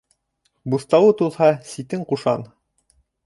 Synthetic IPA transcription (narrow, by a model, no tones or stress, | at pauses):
buθt̪ɑwɤt̪ulˠhɑsit̪ɘŋquʃɑ̰n